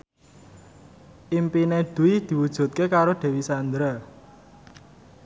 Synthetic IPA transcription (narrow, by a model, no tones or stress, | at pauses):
ʔimpineɖ̪̥ṳid̪̥i̤wud̥ʒ̥ṳt̪̚kekaɾoɖ̪̥ɛ̤wisand̪ɾa